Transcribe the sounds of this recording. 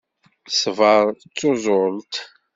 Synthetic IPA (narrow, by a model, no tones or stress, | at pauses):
svəɾˤt͡sːozˤʊlt̪